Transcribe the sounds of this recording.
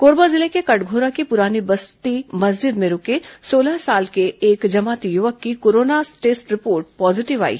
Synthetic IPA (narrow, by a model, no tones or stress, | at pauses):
koːɾbazɪlekekɐʈɡʱoːɾakipʊɾaːnibɐst̪imɐzd͡ʒɪd̪mẽɾʊkesoːləɦsaːlkeeːkd͡ʒɐmaːt̪ijʊʋəkːikoːɾoːnasʈeːsʈɾɪpoːɾʈ̚pɔːzɪʈɪʋa̰ːḭː